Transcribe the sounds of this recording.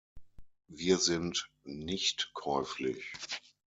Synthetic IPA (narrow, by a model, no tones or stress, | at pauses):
viːɐzɪnt | nɪçtkʰɔʏflɪ̰ç